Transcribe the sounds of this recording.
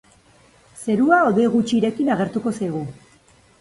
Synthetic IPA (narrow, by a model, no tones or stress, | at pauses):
se̞ɾuaoðeɣut͡ʃiːɾe̞kinaɣ̞e̞ɾt̪uko̞sajɣu